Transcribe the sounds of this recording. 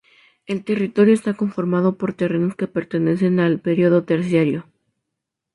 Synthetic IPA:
e̞lt̪e̞rit̪o̞ɾjo̞est̪ako̞ɱfo̞ɾmað̞o̞po̞ɾt̪e̞re̞no̞ske̞pe̞ɾt̪e̞ne̞se̞nalpe̞ɾjio̞ðo̞t̪e̞ɾsjaɾjo̞

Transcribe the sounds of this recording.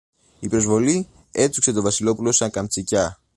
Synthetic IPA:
ipɾo̞zvo̞li | e̞t͡s̪ukse̞t̪o̞vɐsilo̞pulo̞sɐŋkɐmt͡sicɐ

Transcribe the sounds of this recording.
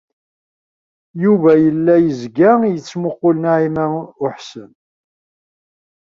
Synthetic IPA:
juvæjəlːæjəzɡæjət͡sːmʊqːʊlənʕimæʊħsən

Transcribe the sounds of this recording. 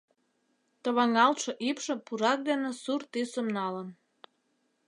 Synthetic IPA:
t̪ə̆βɑŋɑlt̪ʃɤ̆ʔipʃə̆puɾɑk̚d̪enesurt̪ysəmnɑlən

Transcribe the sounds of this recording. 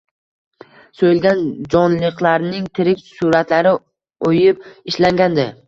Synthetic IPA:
sojɪlɡʲand͡ʒɒnlɨqlˠaɾnɪŋt̪ʰɪɾɪkʲsuɾat̪laɾɪ | ojɪp̚ɪʃlaŋɡʲand̪ɪ

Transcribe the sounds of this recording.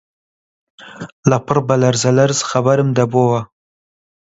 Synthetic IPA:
lapəɾbalaɾzalaɾzxabaɾəmd̪abowa

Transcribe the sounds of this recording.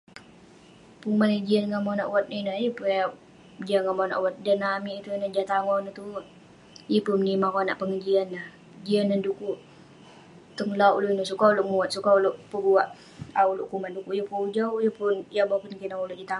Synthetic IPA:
puŋmanŋəd͡ʒianŋamanaʔwat̪̚ninajəpua | d͡ʒianŋamana̰ʔwat̪̚danamiʔit̪unad͡ʒat̪aŋɔnət̪u | jəpumnimakona̰ʔpəŋəd͡ʒianlah | d͡ʒianandukuʔ | t̪əŋlawluinəsukauloʔmuat̪̚sukauloʔpəbuaʔ | aulʊʔkumandukuʔjupud͡ʒaujupʊnjabakunkinauluʔd͡ʒat̪a

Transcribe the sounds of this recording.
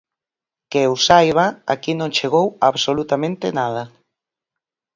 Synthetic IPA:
kewsajβaa̰kinõŋt͡ʃeɣowaβsolut̪amẽnt̪enaða

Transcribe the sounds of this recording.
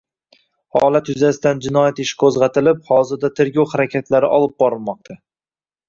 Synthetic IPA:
hɒ̰lˠat̪jʊzasɪt̪and͡ʒɪnɒjat̪ɪʃkʰozʁɑt̪ʰɪlɪp̚hɒzɪɾd̪at̪ʰe̞ɾɡʲɒwχaɾakʲʰat̪ʰlaɾɪʔɒlˠɪp̚bɒɾɪlˠmɒq̚t̪ʰa

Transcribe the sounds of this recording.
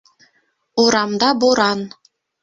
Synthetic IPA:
uɾɑmd̪ɑboɾɑn

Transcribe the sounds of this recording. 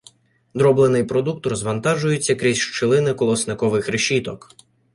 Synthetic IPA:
d̪ɾɔblˠenɪjpɾɔd̪uk̚t̪rɔzʋɐnt̪ɑʒʊjʊt͡sʲːɐkɾʲizʲʃt͡ʃɪlˠɪnɪkɔlˠɔsnɪkɔʋɪxɾeʃit̪ɔk

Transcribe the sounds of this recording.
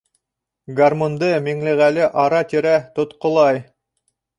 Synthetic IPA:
ɡarmond̪ɤmiŋlɘ̆ʁælɘʔɑɾɑt̪ʲiɾæt̪ŏt̪qŏlˠɑj

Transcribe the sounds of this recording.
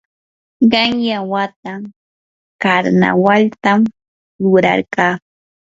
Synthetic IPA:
ɢɑŋjawat̪aŋ | kaɾna̰walt̪am | ɾʊɾa̰ɾɢɑː

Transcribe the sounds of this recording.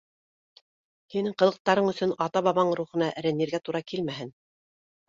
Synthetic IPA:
hinɘɴqɤ̆lˠɤ̆q̚t̪ɑɾɤɴɵ̆sɵnɑt̪ɑβɑβɑɴɾuχɤ̆nɑʔɘ̆ɾæ̆nːiɾɡæt̪uɾɑkilmæɦɘn

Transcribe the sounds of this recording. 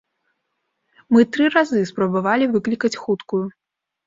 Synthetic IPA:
mɨt̪ɾɨɾazɨspɾɐbavalʲivɨklʲikɐt͡sʲxut̪kuju

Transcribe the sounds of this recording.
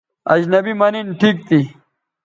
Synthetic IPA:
ɐ̰d͡ʑnɐbimɐninʈʰiːk̚t̪i

